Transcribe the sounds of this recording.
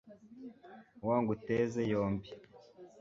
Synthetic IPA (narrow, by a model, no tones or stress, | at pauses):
waːŋɡutezejoːmbi